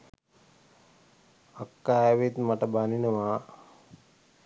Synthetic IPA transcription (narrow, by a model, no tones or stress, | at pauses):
akːaʋit̪maʈəbaninəʋa